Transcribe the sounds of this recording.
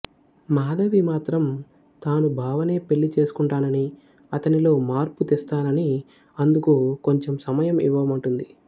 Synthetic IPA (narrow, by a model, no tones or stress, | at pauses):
maːd̪ɐʋimaːt̪ɾɐm | t̪aːnubʱaːʋɐne̞ːpe̞ɭːit͡ʃe̞ːsu̥kuɳʈaːnɐni | ɐt̪ɐnilo̞ːmaːɾput̪est̪aːnɐni | ɐnd̪ukuko̞ɲt͡ʃe̞msɐmɐjɐmḭʋːɐmɐɳʈund̪i